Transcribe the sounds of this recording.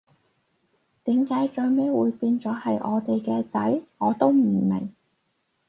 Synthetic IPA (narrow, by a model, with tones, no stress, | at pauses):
t̪iː˨˥mkaː˨˥jt͡ʃɵ˧ɥme˥wuː˨˧jpiː˧nt͡sɔː˨˥hɐ˨jʔɔ̰ː˨˧t̪e˨jkɛː˧t͡sɐ˨˥jŋɔː˨˧t̪o˥wm̩˨˩mɪ̰˨˩ŋ